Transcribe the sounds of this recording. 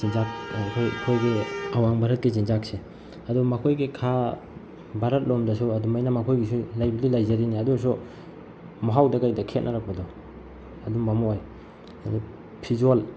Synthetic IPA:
inzak̚kʰojkʰojɡiɐwaŋbʱaɾɐt̚kezinzak̚se | ɐdumɐkʰojɡikʰa | bʱaɾɐt̚lomdɐsuɐdumajnamɐkʰojɡisulajbililajzɐɾiniɐdus̬u | maɦawdɐkajdɐkʰet̚nʔaɾak̚pɐdɔ | ɐduŋbamɔaj | adu | pʰizal

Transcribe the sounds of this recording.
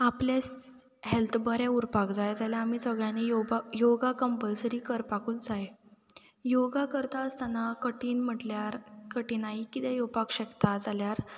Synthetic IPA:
aples | ɦelt̪ʰbəɾɛuɾpakd͡zajd͡zaljaam̤iːsəɡɭjanejoajoɡakəmpəlsəɾiːkəɾpakuːtd͡zaje | joɡakəɾt̪aəst̪anakəʈiːnm̤əʈljaɾkəʈiːnaɦikit̪ɛ̃jopakɕɛkt̪ad͡zaljaɾ

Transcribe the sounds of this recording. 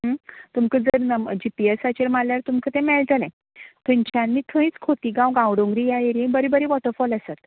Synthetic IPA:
ɦət̪umkəd͡zəɾnəd͡ʑipiesat͡ɕeɾmalːjaɾt̪umkət̪ɛ̃mɛlt̪əlɛ̃ | t̪ʰumt͡ɕʰanmiːt̪ʰə̃ĩt͡skʰot̪iːɡãwɡãwɽõŋɡɾijajeɾibəɾibəɾiʋɔʈəɾfɔləsat̪

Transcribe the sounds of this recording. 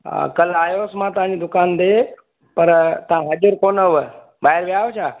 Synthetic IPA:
kəlaːjosmãt̪ãniːd̪ʊkaːnd̪e | pəɾt̪ãɦəd͡ʒuɾkoːnəʋə | baːɦiɾʋjaʋt͡ʃʰa

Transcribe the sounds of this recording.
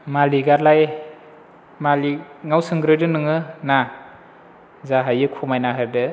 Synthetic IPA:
maliɡaɾlaj | maliŋawsɯŋɡɾɯjdɯnɯŋɯna | zaɦajɯkʰumajnaɦɯɾdɯ

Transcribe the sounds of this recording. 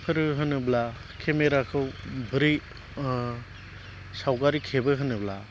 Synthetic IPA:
pʰɯɾɯɦɯnɯbla | kʰemeɾakʰɯwbɯɾi | sawɡaɾikʰebɯɦɯnɯbla

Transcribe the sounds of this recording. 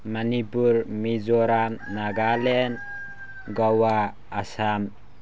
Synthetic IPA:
manipuɾmizɔɾamnaɡalen | ɡawaː | sam

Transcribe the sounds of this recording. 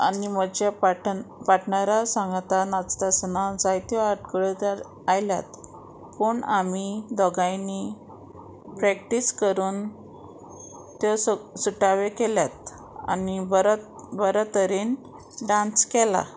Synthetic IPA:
animəd͡ʑapaʈpaʈɳaɾasãŋɡt̪anat͡st̪asnad͡zajt̪jɔaʈkəɭət̪aɾ | ajlja̰t̪ | pəɳamid̪ɔɡajni | pɾɛk̚ʈiskəɾuːn | t̪ɔssuʈaʋekɛljat̪̚ | a̰nibəɾbəɾət̪əɾen | ɖãnskɛla̰

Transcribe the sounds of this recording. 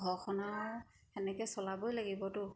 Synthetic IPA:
ɡʱɔxʰɔnaɹ | ɛnɛkɛsɔlabojlaɡibɔtʊ

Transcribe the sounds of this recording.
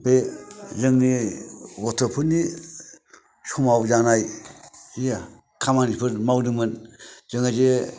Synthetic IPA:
pezɯŋniɡɔtʰɯpʰɯni | sumawzaŋnaj | ija | kʰamanipʰɯɾmawnɯmɯnz̥ɯŋaze

